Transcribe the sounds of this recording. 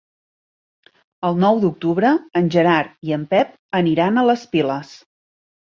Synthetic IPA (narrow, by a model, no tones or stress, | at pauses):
əlˠnɔwd̪uk̚t̪uβɾəːnʲʒəɾaɾiəmpɛp̚ | əniɾanələspiləs